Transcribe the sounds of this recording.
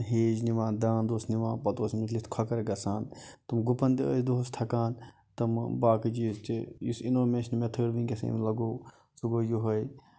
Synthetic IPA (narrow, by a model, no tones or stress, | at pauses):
ɦeːd͡ʒniʋãːnd̪ãːnd̪oːsniʋãːpɐt̪oːsmit͡ʃlit̪kʰɐkɐɾɡɐsaːnt̪ɐmɡupɐnd̪iə̰jd̪oːst̪ʰɐkaːn | t̪ɐmbaːkid͡ʒiːst̪ijisinoːmeːʃnimet̪ʰəːɾʋĩnɡʲɐsɐ̰mlɐɡoː | suɡoːjuɦɐj